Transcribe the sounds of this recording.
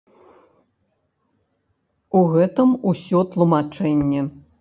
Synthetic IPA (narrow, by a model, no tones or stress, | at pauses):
uɣɛt̪ɐmusʲɔt̪lˠumat͡ʂɛnʲːɛ